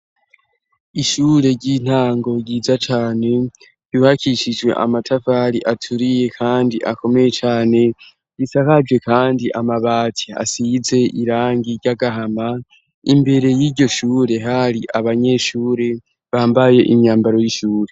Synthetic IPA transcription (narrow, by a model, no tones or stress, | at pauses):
iʃuːɾe̞ɾɟin̥aːŋɡo̞ɾɟiːzat͡ʃaːne̞ | juːhakiʃid͡ʒwe̞̰ʔa̰matʰafaːɾiʔatʰuɾije̞kʰaːndiʔa̰ko̞me̞jet͡ʃaːne̞ | ɟ̥isakad͡ʒɡwe̞kaːndiʔamaβaːtʰaa̰size̞ʔiɾaːŋɡiɾɟaɡaɦama | imbe̞ɾe̞jiːɾɟo̞ʃuːɾe̞ɦaɾiʔaβaɲe̞ʃuːɾe̞ | βaːmbaje̞ʔiɲaːmbaɾo̞jiʃuːɾe̞